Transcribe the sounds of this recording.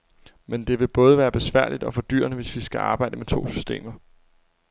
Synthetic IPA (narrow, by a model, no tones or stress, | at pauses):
mend̥e̝ʋe̝b̥ɔ̽ːð̞ˠəʋæːɐb̥e̝sʋæɐ̰lid̥ɒ̽fɒ̽d̥y̰ːɐnəʋe̝sʋisɡ̥æʔɑ̈ːb̥ɑ̈ɪdəmet͡sʰo̝̰ːsy̥sd̥e̝̰ːmɐ